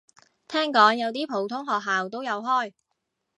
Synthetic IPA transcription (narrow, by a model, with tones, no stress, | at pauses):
t̪ʰɛː˥ŋkɔː˨˥ŋjɐ˨˧wt̪iː˥pʰo˨˥wt̪ʰʊ˥ŋɦɔː˨k̚ɦaː˨wt̪o˥wjɐ˨˧wɦɔː˥˩j